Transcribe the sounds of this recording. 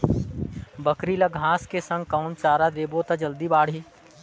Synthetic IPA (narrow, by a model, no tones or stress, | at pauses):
bəkɾiləɡʱɦãːskesə̃ŋɡ̚kəʊnt͡ʃaːɾad̪eːbot̪ad͡ʒəld̪ibaːɽ̤ɦiː